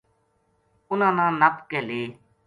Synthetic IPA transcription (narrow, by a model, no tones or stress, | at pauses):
ʊnãːnãːnəpkɛːleː